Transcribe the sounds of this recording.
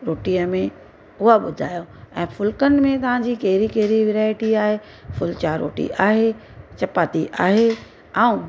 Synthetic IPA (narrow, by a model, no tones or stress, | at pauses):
ɾoːʈijəmẽ | ʊɦaɓʊd̪ʱa̰ːjoɛ̃ːfʊlkənɪ̆mẽt̪ɐʋ̤ãd͡ʑiːkɐɦɪɾikɐɦɾiʋɪɾaːɪʈiaːɦe | fʊlt͡ɕaɾo̰ːʈḭʔaːɦet͡ɕɐpaːt̪iʔaːɦe | aːũ